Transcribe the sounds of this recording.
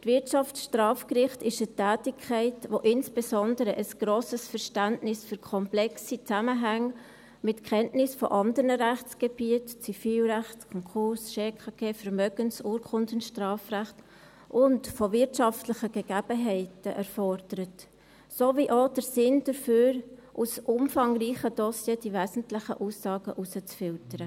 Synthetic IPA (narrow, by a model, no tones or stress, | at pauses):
tvɪtʃɑftʃtrʁɑːfkrɪχtɪʃətɛːtɪkʰːɛɪtvoʔɪnsb̥esɔndəɾəʔəsɡ̥ɾoːsəsfɛɾʃtæntnɪsfyɾkʰɔmplɛksit͡saməɦæŋ | mɪtkʰχɛntnɪsfɔ̰ʔɑndəɾnəʁæχt͡sɡ̥eb̥iətt͡sifiːlræχtkʰɔŋkʰʊɾsʃeːkʰɑɡ̥eːfɛɾmœɡənsuːɾkʰʊndənʃtrɑːfræχt | ʔʊntfɔvɪɾtʃɑftlɪχəɡ̥ɛɡ̥æb̥əɦɛɪtəʔɛrfɔɾd̥əɾət | soviʔod̥əɾsɪnd̥əɾføːɾʔusʔʊmfɑŋɾiːχəd̥ɔsjeːd̥ivɛːzn̩tlɪχəʔuːsːɑːɡəʔusət͡sfɪltəɾə